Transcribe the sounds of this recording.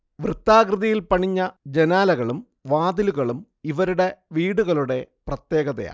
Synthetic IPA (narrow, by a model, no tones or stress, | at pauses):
ʋrɨt̪ːaːkrɨðɐjilpɐɳiɲːɐd͡ʑenaːlɐɣɐɭum | ʋaːd̪iluɣɐɭum | iʋɐɾuɽe̞ʋiːɽuɣɐɭuɽe̞prɐt̪je̞ːɣɐðɐ̰ja̰ː